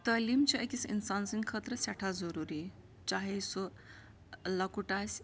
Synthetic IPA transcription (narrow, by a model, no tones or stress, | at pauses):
t̪əlimt͡ʃiekisḭnsansiŋkʰət̪ɾəsɛʈʰazɐɾuɾi | t͡ʃaɦesu | lɐkuʈasʲ